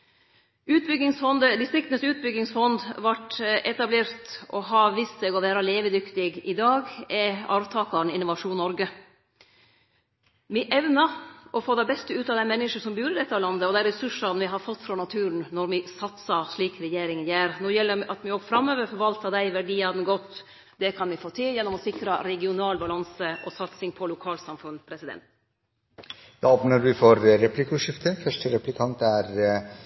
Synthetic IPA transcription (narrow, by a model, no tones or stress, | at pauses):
ʉːt̪̚bʏɡɪŋsfɔnd̪əd̪ɪst̪ɾɪkt̪nəsʉːt̪̚bʏɡːɪŋsfɔnd̪ʋɑʈɛt̪ɑbleːɾt̪ɔɦɑʋiːst̪sɛːɡɔʋæːɾɑleːʋəd̪ʏkt̪ɪɡɪd̪ɑːɡɛɑ̰ːʋt̪ʰɑːkɑɳ̩ɪnʊʋɑʂuːnnːɔɾɡə | mɪʔɛʋnɑʔɔfoːd̪æɪbɛst̪əʉːt̪ɑːʋd̪æɪmɛnːɪʂəʂɔmbjʉːɾəd̪ɛt̪ːɑːʋlɑnd̪əɔd̪æɪɾɛsʉʂɑnʋɪɦɑɾfɔt̪ːfɾɑːnɑt̪ʰʉːɾn̩nɔɾmɪsɑt̪sɑʂɭiːkɾɛjeːɾɪŋənjæːɾnoːjɛlːəɾɑt̪mɪɔɡfɾɑmːøːʋəɾfɔɾʋɑlt̪ɑd̪æɪʋæɖiːɑd̪nɡɔt̪ː | d̪ɛkʰɑnʋɪfoːt̪ʰɪljɛnːɔmɔsɪkɾɑɾɛɡɪʊnɑːlbɑlɑnsəʔɔsɑt̪sɪŋpʰɔlʊkʰɑːlsɑmfʉnpʰɾɛsɪd̪ɛ̰nt̪ | d̪ɑɔpnəɾʋɪfɔɾɾɛplɪkʊʂɪft̪əfœʂʈəɾɛplɪkʰɑnt̪æɾ